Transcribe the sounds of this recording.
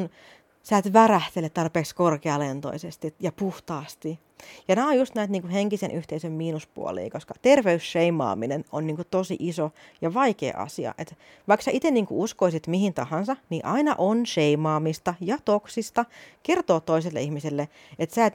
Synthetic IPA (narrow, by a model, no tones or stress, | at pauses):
n | sæːt̪ʋæræht̪elet̪t̪ɑrpeːkskorkeɑlent̪o̰isest̪ijɑpuht̪ɑːst̪i | jɑnæːojust̪næit̪niːŋkuheŋkisenʔyht̪eisømmiːnuspṵo̰lḭːkoskɑt̪erʋeysʃeimɑ̰ːminenonniːŋkut̪osḭʔisojɑʋɑikḛːʔɑ̰siɑ̰ʔet̪ | ʋɑiksæʔit̪eniːŋkuuskoisit̪mihint̪ɑ̰hɑnsɑniʔɑinɑʔonʃeimɑːmist̪ɑjɑt̪oksist̪ɑkert̪oːt̪toiselːeihmiselːe | ʔet̪sæːt̪